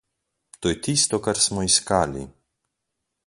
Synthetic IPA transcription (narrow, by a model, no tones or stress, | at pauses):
t̪oːjɛt̪ist̪ɔkaɾsmɔiskaːlḭ